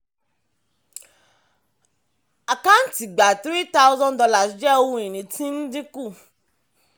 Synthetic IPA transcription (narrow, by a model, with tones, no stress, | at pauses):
a˨ka˦n̩˦ti˨ɡ͡ba˨t̪ɾi˦ta˦ʊ˦zɔ̃˦n˨dɔ˧la˨i˨˦d͡ʒɛ˦o˧˦ũ˦i˨nĩ˨tĩ˦n̩˦dĩ˦ku˦˨